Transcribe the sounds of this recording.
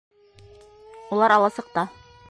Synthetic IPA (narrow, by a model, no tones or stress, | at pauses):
ulˠɑɾɑlˠɑsɤ̆q̚t̪ɑ